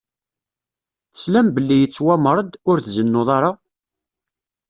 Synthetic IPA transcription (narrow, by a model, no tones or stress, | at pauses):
θə̥slæmbəlːijət͡sːwæmɾˤəd̪ʊɾθzənːʊðˤɑɾˤa